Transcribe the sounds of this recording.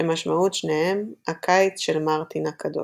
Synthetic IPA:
emaʃmaut̪ʃnehe̞makʰait͡sʃelmaʁt̪inakʰado̰

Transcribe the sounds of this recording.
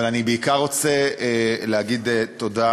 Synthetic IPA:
alanibeikaʁot͡seeleɦaɡid̪eto̞da

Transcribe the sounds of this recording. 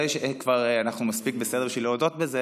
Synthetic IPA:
jʃeekvaʁanaχnumaspik̚besed̪bʃilood̪ot̪beze

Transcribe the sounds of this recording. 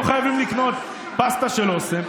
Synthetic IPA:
χajavimlikno̞t̪ | past̪aʃelosem

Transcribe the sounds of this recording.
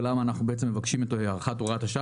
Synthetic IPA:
lamaːnaχnubeet͡semevakʃimot̪oheaʁχatoʁathaʃa

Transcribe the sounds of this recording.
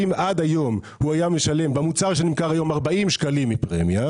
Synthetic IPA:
imʔad̪ajo̞m | huajame̞ʃale̞mbamut͡saʁʃenimkaʁajo̞maʁbaimʃkalimːipʁḛmja

